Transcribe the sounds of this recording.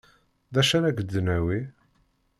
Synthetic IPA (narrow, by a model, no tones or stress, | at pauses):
ðæʃæɾæɡəd̪ːənæwi